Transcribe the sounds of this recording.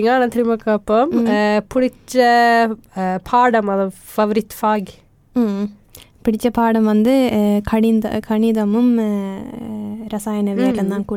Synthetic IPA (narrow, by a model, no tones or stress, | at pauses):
ɪŋɡaːnɐt̪ɪɾɪmɐkːɐpːɐmpʊɽɪt͡ʃːɐ | pʰaːɽɐmɐðɐ | fɐʋɐɾit̪ːfaːɡ | pɪɽɪt͡ʃːɐpaːɽɐmʋɐnd̪ɯkʰɐɳɪnd̪ɐ̰kʰɐɳɪðɐmɯm | ɾɐsaːjɐnɐʋeːɾɐnd̪aːnkuː